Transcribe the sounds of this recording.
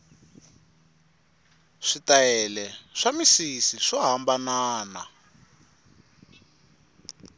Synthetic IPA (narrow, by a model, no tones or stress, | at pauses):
ʂitaɛlɛʂamisisiʂɔɦambanaːna̰